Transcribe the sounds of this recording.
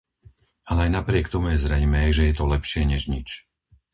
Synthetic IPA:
ʔalɛajnapɾɪɛkt̪ɔmujɛzɾɛjmɛːʒɛjɛt̪ɔlɛpʃɪɛɲɛʒɲit͡ʃ

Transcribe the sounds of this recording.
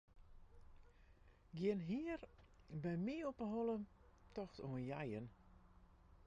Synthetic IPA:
ɡjɪənɦiər | bɛjmiopəɦɔlətɔxtoənjajən

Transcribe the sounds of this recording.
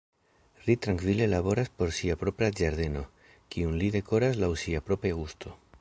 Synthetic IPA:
litɾaŋkvile̞laβo̞ɾaspo̞ɾsiapɾo̞pɾad͡ʒaɾde̞no̞ | kiunlide̞ko̞ɾas̬lawsiapɾo̞pɾeɡustʰo̞

